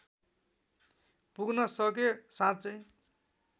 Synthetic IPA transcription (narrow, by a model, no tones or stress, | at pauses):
puɡnʌsʌk̬esãt͡sʌj